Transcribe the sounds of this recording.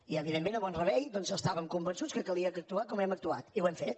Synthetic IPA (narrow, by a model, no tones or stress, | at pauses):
iəβiðemːẽnəβɔnrəβɛjd̪ɔnzəst̪aβəŋkumbənsut͡skəkəlˠiəkək̚t̪uakɔmɛmək̚t̪ua̰t̪iwɛmfet̪